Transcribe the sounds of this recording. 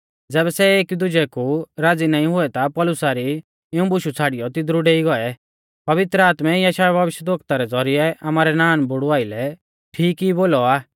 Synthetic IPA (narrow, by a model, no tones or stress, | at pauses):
d͡zɛːβɛsɛeːkid̪ʊd͡ʒɛkuɾaːd͡zinaːĩɦʊɛt̪apɔːlʊsaɾi | ɪũbʊʃut͡sʰaːɽijɔt̪ɪd̪ɾuɖeːiɡɔɛ | pɐʋɪt̪ɾəaːt̪mɛjaʃaːɛbʱɐʋɪʃjəd̪oːkt̪aɾɛd͡zɔɾɪɛʔamaːɾɛnaːnbʊɽʊaːɪlɛ | ʈʰiːkiboːlɔaː